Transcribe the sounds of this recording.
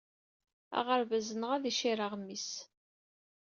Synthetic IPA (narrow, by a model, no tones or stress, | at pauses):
a̰ʁəɾvəzənəʁæðiʃiɾəʁmːis